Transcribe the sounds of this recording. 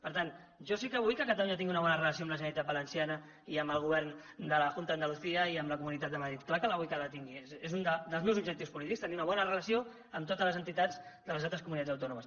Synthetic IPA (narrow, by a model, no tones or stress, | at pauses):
pəɾt̪an | ʒɔsikəβujkəkat̪əluɲat̪iŋɡiunəβɔnərələs̬ioəmləʒənəlit̪at̪̚bələnsianə | iəmbəlˠɣ̞uβɛɾn | d̪ələʝunt̪əðənd̪əluθiəiəmləkumunit̪at̪̚d̪əməðɾit̪klakələβujkaðət̪iŋɡiezezund̪əd̪əlˠzmewzubʒək̚t̪iwspulit̪ikst̪əniunəβɔnərələsio | əmt̪ot̪ələzənt̪it̪ad͡zd̪ələzalˠt̪ɾəskumunit̪ad͡zzəwt̪ɔnuməs